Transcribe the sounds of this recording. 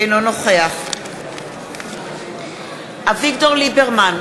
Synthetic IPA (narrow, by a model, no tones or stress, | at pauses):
jnɔnɔχweaχ | avɪɡ̚dɔlɪbɛrman